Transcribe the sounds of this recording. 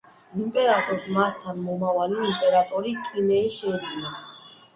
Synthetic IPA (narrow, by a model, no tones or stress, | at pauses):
impʼɛɾat̪ʼɔɾsmast̪ʰanmɔmavaliːmpʼɛɾat̪ʼɔɾikʼinɛiʃɛd͡ʒnɔ